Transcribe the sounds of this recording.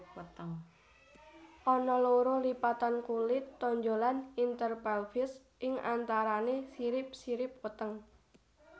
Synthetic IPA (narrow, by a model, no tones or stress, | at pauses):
wt̪əŋ | ʔɔnɔloɾolipat̪ankulɪt̪ːoɲd͡ʒolanint̪ərpalfɪs | ʔɪŋa̰nt̪aɾanesiɾɪp̚siɾɪp̚wət̪əŋ